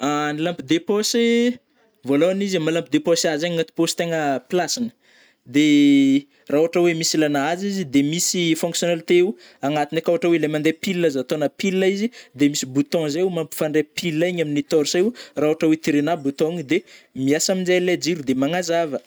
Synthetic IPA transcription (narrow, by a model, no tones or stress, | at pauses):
anilampid̪epɔse | voloanizamalampid̪eposazaɲŋat̪i̥post̪eŋəplasinə̥ | d̪e | raɦoaʈ͡ʂəwemisilanaazizid̪emisifɔ̃ŋksjonalit̪eu | aŋat̪inakuaʈ͡ʂəwelamand̪epilːəzat̪onəpilːaizid̪emisibut̪ɔ̃zaumampi̥faɳɖ͡ʐepilːaaɲaminit̪ɔɾsajuraɦoaʈ͡ʂəwet̪iɾenabut̪ɔ̃ɲd̪emiasamind͡ʒajled͡ʒiɾud̪emaŋazavə